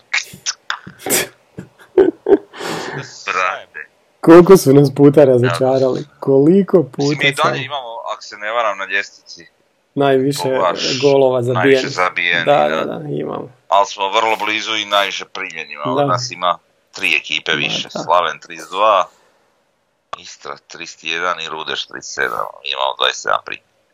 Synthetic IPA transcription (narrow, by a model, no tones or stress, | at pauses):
ɾa | kolkosmonaspuːt̪aɾazot͡ʃaːɾalḭkolikopuːt̪masaaimamoa̰ko̥seneʋaɾamnadest̪i̥t̪si | najʋiʃeɡolˠoʋazaijanzabijend̪a̰d̪a̰d̪a̰ḭma̰mo | alsmoʋr̩lˠobliːzuinajʋiʃepɾimenimad̪anasima | t̪ɾiːekiːpeʋḭʃeslaʋent̪ɾisd̪ʋaː | ist̪ɾa̰t̪ɾist̪jed̪aniɾuːd̪eʃt̪ɾḭːsḛd̪a̰ma̰miima̰mod̪ʋa̰jssed̪a̰mpɾḭːmeɾ